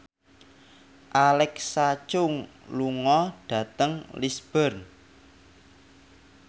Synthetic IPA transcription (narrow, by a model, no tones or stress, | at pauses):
ʔalɛksat͡ʃʊŋluŋɔɖ̥ä̤t̪əŋlisb̥ərn